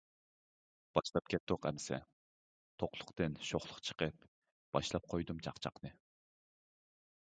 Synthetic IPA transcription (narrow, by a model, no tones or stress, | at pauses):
b̥ɑʃlˠɑp̚kʲʰɛt̪d̪oqɛmsɛ̰ | t̪ʰoqlˠʊ̥qt̪ɨnʃoχlˠʊqt͡ʃʰə̥qəp | b̥ɑʃlˠɑp̚qʰojd̪umt͡ʃʰɑqt͡ʃʰɑ̰qnɨ